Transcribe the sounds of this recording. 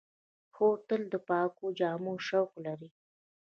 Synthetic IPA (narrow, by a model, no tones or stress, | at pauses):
xot̪əld̪əpɑkod͡ʒɑmoʃawqlaɾi